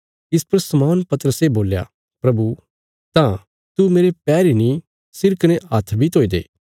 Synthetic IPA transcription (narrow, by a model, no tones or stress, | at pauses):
ɪspɐɾsɐmoːnpɐt̪əɾəseboːlja̰ | pɾɐbu | t̪ã | t̪umeːɾepɛːɾinĩ | sɪɾkɐneɐt̪ʰbʱit̪oːid̪ḛː